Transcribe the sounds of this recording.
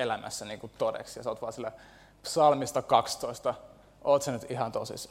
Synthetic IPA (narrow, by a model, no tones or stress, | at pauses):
elæmæ̰sːæniːkut̪odḛksjɑsoːt̪ʋɑːˑsilːæ | psɑlmist̪ɑkɑkst̪oist̪ɑ | ʔoːt̪senyt̪ihɑnt̪o̰sḭs